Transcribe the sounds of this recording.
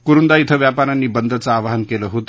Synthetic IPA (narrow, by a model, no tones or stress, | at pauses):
kuɾund̪ait̪ʰəʋjapaɾanːiːbənd̪ʱət͡saːʋaɦənkeləɦot̪